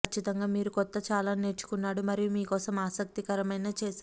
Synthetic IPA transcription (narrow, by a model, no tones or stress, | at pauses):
ɐt͡ʃːit̪ɐŋɡaːmiːɾukɔt̪ːɐt͡ʃaːlaːne̞ːɾt͡ʃu̥kunːaːɽumɐɾijumiːkɔːsɐmaːsɐk̚t̪ikɐɾɐmɐjnaːt͡ʃɛːs